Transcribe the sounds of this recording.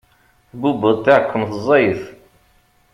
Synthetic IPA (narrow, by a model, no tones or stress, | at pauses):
θbubəðˤt̪ːaʕəkʰʷːəmθəzˤːɑjəθ